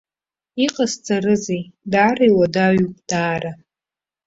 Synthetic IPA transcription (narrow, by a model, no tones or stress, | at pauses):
iqʼast͡sʼarɨzejdaːrajwadaɥukʼd̥aːɾa